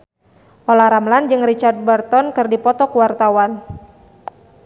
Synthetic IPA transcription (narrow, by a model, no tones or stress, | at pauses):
ʔolaɾamland͡ʒɨŋrit͡ʃard̪̚bərt̪ɔnkɨrdipɔt̪ɔkuwart̪awan